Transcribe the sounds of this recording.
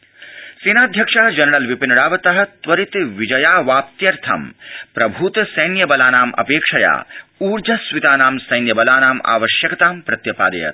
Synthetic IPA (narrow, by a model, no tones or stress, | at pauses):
siːnaːd̪ʱjɐkʂɐɦɐd͡ʒɐnɐɾɐlʋipinɐɽaːʋɐt̪ɐɦɐ̆t̪ʋɐɾit̪ʋid͡ʒɐjaːʋaːpt̪jɐɾt̪ʰɐ̰mpɾɐbʱuːt̪sɐjnjɐbɐlaːnaːmɐ̰peːkʂɐja̰ːuːɾd͡ʒɐsʋit̪aːnaːmsɐjnjɐbɐlaːnaːma̰ːʋɐʃjɐkɐt̪aːmpɾɐt̪jɐpa̰ːd̪ɐ̰jɐ̰t̪